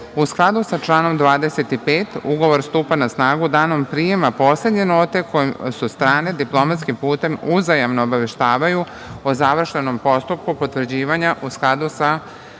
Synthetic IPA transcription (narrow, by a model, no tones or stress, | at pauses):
usklˠad̪usat͡ʃlˠaːno̞md̪ʋaːd̪e̞se̞t̪ipeːt̪uɡo̞ʋo̞ɾst̪uːpanasnaːɡud̪aːno̞mpɾijemapo̞ːsle̞d̪ɲenoːt̪e̞kʰo̞jimsust̪ɾaːne̞d̪iplˠo̞mat̪skimpuːt̪e̞muzajaʋnoːbaʋe̞ʃt̪aːʋaju | ozaʋr̩ʃeno̞mpo̞st̪up̚kupo̞t̪ʋr̩d͡ʑiːʋaɲaʔusklˠad̪usa